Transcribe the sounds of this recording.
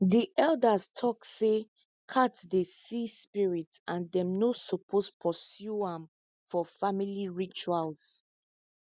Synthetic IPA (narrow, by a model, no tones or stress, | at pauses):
diʔɛldastʰɔkse | kʰatdesispiɹitsãndɛ̃mnosɔpʰospʰɔsjuãm | fɔfamiliɹit͡ʃualz̥